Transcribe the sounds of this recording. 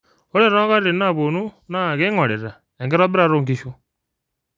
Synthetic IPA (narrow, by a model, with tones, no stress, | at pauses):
o˦ɾe˦ɾɔ˦ɣa˦ɾɾe˨na˦˨βo˨nu˦na˦˨ɣe˦ŋɔ˨lɛ˨ɾa˨ | ɛ˨ŋɡɛ˦ɾɔ˦bɛ˦ɾa˦˨˦ɾo˦ŋɡi˦ʃo˦